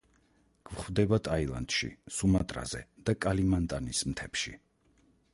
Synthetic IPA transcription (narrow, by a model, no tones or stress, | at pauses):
ɡ̥vχvd̪ɛbat̪ʼailˠa̰nt̪ʃḭsumat̪ʼɾa̰zɛ̰d̪̥akʼalimant̪ʼanismt̪ʰɛpʃḭ